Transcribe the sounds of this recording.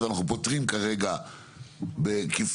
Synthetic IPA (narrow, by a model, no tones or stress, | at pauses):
eanaχupotʁimkaʁe̞ɡa | bekif